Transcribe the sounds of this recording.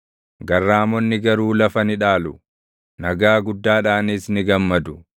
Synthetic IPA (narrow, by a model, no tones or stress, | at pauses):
ɡɐrːaːmɔnːɪɡɐɾuːlɐfɐnɪᶑaːlʊ | nɐɡaːɡʊd̪ːaːᶑaːniːsnɪɡɐmːɐd̪ʊ